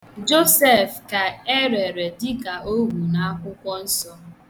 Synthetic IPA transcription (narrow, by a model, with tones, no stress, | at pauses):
d͡ʒo˦se˦˨fka˨e˦ɾe˨ɾe˨dɪ˦ka˨ʔo˦ɡʷu˨na˨a˦kʷʊ˦kʷɔ˦n̩˦sɔ˦